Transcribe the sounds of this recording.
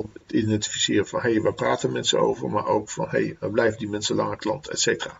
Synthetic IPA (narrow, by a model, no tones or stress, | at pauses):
ɔɪnɛtifisɪːrəfɑnɦejʋaːpraːtənmɛnsəno̰wvə̰ɹma̰ːɹʔowkfɑ̰nɦḛjəblɛjvədimɛnsəlɑ̰ŋəklɑ̰ntʰɛ̰tsejtəra̰ː